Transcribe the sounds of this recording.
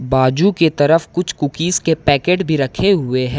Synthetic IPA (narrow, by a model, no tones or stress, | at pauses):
baːd͡ʒuket̪ɐɾəfkʊt͡ʃʰkʊkiːskepɛːkeːʈbʱiɾɐkʰeɦʊeɦɛ̃